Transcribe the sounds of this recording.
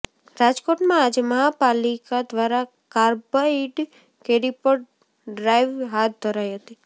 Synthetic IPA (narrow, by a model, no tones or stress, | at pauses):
ɾad͡ʒkoʈmãad͡ʒeməɦapalikad̪ʋaɾa | kaɾbəiʈ | keɾipoʈ | ɖɾajʋɦat̪̚d̪ʱəɾajɦət̪i